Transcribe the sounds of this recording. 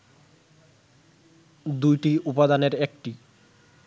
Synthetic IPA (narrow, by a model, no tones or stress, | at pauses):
d̪ujʈiupad̪aneɾekʈi